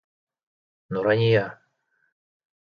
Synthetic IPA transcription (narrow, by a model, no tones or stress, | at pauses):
nuɾanʲija